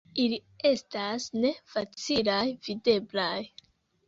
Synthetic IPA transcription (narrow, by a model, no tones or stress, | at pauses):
ili | e̞stasne̞fat͡silajvide̞blaj